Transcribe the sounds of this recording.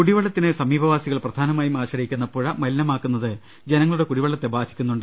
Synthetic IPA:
kuɽiʋɐɭːɐt̪ːinɨsɐmiːbʱɐʋaːsiɣɐɭprɐd̪ʱaːnɐmaːjumaːɕɐɾikʲːunːɐpuɻɐmɐlinɐmaːkːunːɐðɨ | d͡ʑenɐŋːɐɭuɽe̞kuɽiʋɐɭːɐt̪ːe̞baːd̪ʱikʲːunːuɳɖɨ

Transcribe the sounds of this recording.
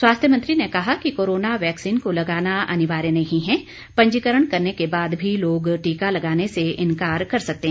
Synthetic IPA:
swaːst̪ʰjəmɐ̃nt̪ɾinekɐɦakikoːɾoːnaʋɛːksiːnkolɐɡaːnaɐ̰nɪʋaːɾjənɐɦĩɦɛ̃ | pɐ̃ɲd͡ʒikəɾəɽ̃kɐɾnekebaːd̪bʱiloːɡʈiːkalɐɡaːneseɪ̃nkaːɾkɐɾsɐk̚t̪eɦɛ̃

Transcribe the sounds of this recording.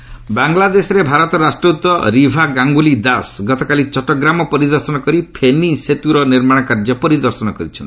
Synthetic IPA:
baŋlad̪esɔɾebʱaɾɔt̪ɔɾasʈɾut̪ːɔɾibʱaɡaŋɡulid̪asɡɔt̪ɔkalit͡ʃɔʈɔɡɾamɔpɔɾid̪ɔɾsɔnɔkɔɾipʰeniset̪uɾɔniɾmaɽ̃ɔkaɾd͡ʒɔpɔɾid̪ɔɾsɔnɔkɔɾit͡ʃʰɔnt̪

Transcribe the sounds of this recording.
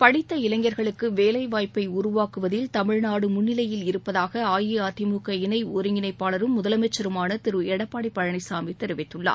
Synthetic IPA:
pɐɽɪt̪ːɐɪlɐŋɡɐɾɣɐɭɯkːɯʋeːlɐɪʋaːjpːɐɪʊɾʊʋaːkɯʋɐðɪlt̪ɐmɪɻnaːɽɯmʊnːɪlɐjɪlɪɾɯpːɐðaːɣɐaːjiaːt̪ɪmuːkɐɪnɐɪɔɾɯŋɡɪnɐɪpːaːlɐɾɯmːʊðɐlɐmɛt͡ʃːɐɾɯmaːnɐt̪ɪɾɯɛɽɐpːaːɽɪpːɐɻɐɳɐɪsaːmit̪ɛɾɯʋɪt̪ːɯɭːa̰ː

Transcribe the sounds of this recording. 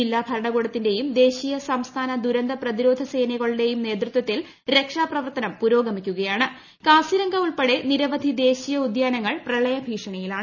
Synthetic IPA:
ilːaːbʱɐɾɐɳɐɣoːɽɐt̪ːinde̞jumd̪e̞ːɕijɐsɐmst̪ʰaːnɐd̪uɾɐnd̪ɐprɐðiɾo̞ːd̪ʱɐse̞ːjnɐɣɐɭuɽe̞jumne̞ːt̪rɨt̪wɐt̪ːil | ɾe̞kʂaːprɐʋɐrt̪ɐnɐmpuɾo̞ːɡɐmikʲːuɣɐjaːɳɨ | kaːsiɾɐŋɡɐuɭpeɽe̞niɾɐʋɐd̪ʱid̪e̞ːɕijɐud̪jaːnɐŋːɐɭprɐɭɐjɐbʱiːʂɐɳɐjilaːɳɨ

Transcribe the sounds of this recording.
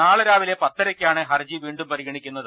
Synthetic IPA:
naːɭɨɾaːʋile̞pɐt̪ːɐɾɐkʲːaːɳɨɦɐrd͡ʑiʋiːɳɖumpɐɾiɣɐɳikʲːunːɐðɨ

